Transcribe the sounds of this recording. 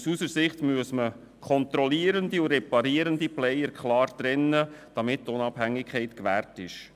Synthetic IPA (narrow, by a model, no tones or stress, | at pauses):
susəɾsɪχtmyəsmə | kʰχɔnt̪ɾɔliəɾəndiuɾɛpɑɾiəɾəndiplɛjəɾkχlɑːɾd̪̥ɾɛnːəd̥ɑmɪttʊnɑbhæŋːɪkʰχɛɪtkʋæːrtɪʃ